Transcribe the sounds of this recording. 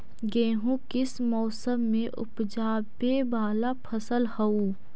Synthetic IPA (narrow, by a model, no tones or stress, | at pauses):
ɡeːɦũkɪsmɔːsəmːẽʔʊ̰pd͡ʒaːbebaːlapʰɐsəlhɐuː